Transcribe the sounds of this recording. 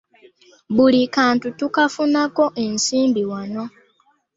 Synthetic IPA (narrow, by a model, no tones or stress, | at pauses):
βulikaːntutukafunako̞ʔensiːmbiwano̞